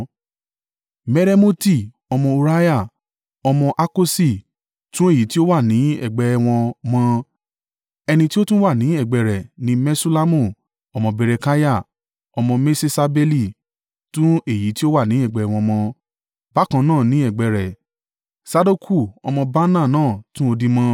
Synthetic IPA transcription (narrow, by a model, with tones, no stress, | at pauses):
me˧ɾe˧mo˦ti˦˨ | ɔ˧mɔ̃˧u˧ɾa˦ja˦˨ | ɔ˧mɔ̃˧ʔa˦ko˦si˦˨ | tũ˦e˦˨ji˨˦ti˦o˦wa˦˨nĩ˨˦ɛ̰˦˨ɡ͡bɛ˨˧w̃ɔ̃˧mɔ̃˧ | ɛ˧nĩ˧ti˦o˦tũ˦wa˦˨nĩ˨˦ɛ˦˨ɡ͡bɛ˨ɾɛ˨nĩ˨˦mɛ˦su˦la˦mũ˦˨ | ɔ˧mɔ̃˧be˧ɾe˧ka˦ja˦˨ | ɔ˧mɔ̃˧me˦se˧sa˧be˧li˦˨ | tũ˦e˦˨ji˨˦ti˦o˦wa˦˨nĩ˨˦ɛ˦˨ɡ͡bɛ˧ɛ˧w̃ɔ̃˧mɔ̃˧ | b̥a˨˦˨kã˧nãː˦˨nĩ˨˦ɛ˦˨ɡ͡bɛ˧˨ɾɛ˨ | sa˧do˦kʰu˦˨ɔ˧mɔ̃˧ba˦nã˦˨nãː˦˨tũ˦o˧dĩ˧mã˧